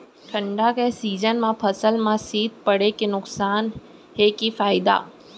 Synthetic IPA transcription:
ʈʰə̃ɳɖakesiːd͡ʒənmãpʰəsəlmãsiːd̪̚ʱpəɽekenʊksaːn | ɦekifaːɪd̪a̰ː

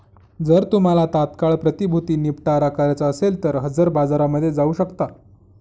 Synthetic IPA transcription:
d͡zəɾt̪um̤alat̪at̪kaɭpɾət̪ibʱut̪iːnipʈaɾakʰaɾjat͡saəselt̪əɾɦəd͡zəɾbad͡zaɾaməd̪ʱːjed͡zauːɕəkt̪a

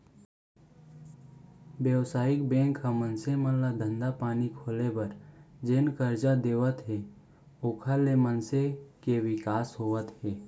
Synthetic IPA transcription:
bjəwsaːɪk̚bɛ̃ːŋkːamənsemənlad̪ʱə̃nd̪apaːnikʰoːlebəɾd͡ʒenkəɾd͡ʒad̪eːʋət̪ɦɛː | oːkʰalemənsekewɪkaːsɦoːət̪ɦɛː

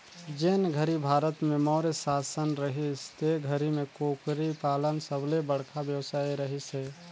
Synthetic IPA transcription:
d͡ʒenɡʱəɾibʱaːɾət̪mẽmɔːɾesaːsənɾəɦist̪eɡʱəɾimẽkoːkɾipaːlənsəblebəɽ̤kʰabjəwsaːiɾəɦiseː

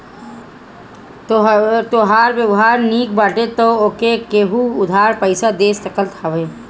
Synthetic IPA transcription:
t̪oːɦaːɾwjəʋɦaːɾniːkbaːʈet̪ookekeːɦuʊd̪ʱaːɾpəɪsad̪eːst̪ɐkəlt̪ʰaʋeː

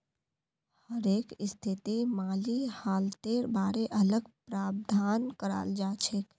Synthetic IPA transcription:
həɾeːkɪst̪ʰɪt̪imaːlihaːlt̪eːɾbaːɾeʔələɡpɾaːbd̪ʱaːnkəɾa̰ːld͡ʒaːt͡ʃʰek

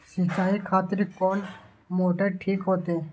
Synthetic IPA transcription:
sɪt͡ʃaːikʰaːt̪ɪɾkɔːn | moːʈəɾʈʰiːkɦoːt̪eː

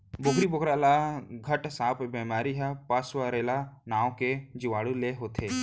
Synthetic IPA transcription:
bokɾibokɾalaɡʱəʈsaːpbɛmaːɾiɦapaswaɾelanaːwked͡ʒiwaːɽuleɦot̪ʰeː

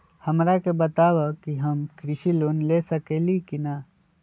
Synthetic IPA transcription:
hɐmɾakebɐt̪aːʋakiɦɐmkɾɪʃilonlesɐkelikina

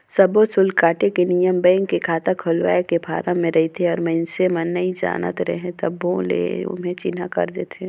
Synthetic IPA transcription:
sɐbõsʊlkaːʈekenijəmbɛ̃ːŋkːekʰaːt̪akʰʊlʋa̰ːekebʱa̰ːɾãmẽɾɐɦit̪ʰeɔːɾmɐ̃ɪnsemɐnːəid͡ʒa̰ːnə̰t̪ɾɛ̰ɦẽt̪ɐbõlḛʊ̰mɦẽt͡ʃɪnakɐ̰ɾd̪eːt̪ʰeː

